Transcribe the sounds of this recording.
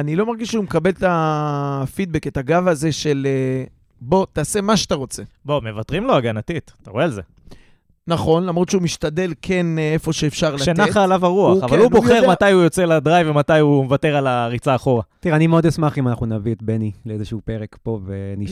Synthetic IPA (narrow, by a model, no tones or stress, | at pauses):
anilo̞maʁɡiʃeumekabe̞lt̪a | fid̪̚be̞ke̞t̪aɡavaze̞ʃe̞le | bo̞t̪aːse̞maʃeat̪aʁo̞t͡se̞bome̞vatʁimlo̞aɡanat̪itt̪aʁoealze | naχo̞nlamʁot̪ʃeumiʃtade̞lkʰe̞nefo̞ʃeːfʃaʁlaenaaːlavaʁuauavvaluboχeʁmatajujot͡selad̪ʁajvematajumevateʁalaʁit͡saːχo̞ʁat̪iʁeanimeo̞d̪asmaχimanaχnunaviet̪̚benileezeʃupe̞ʁekpo̞veniʃ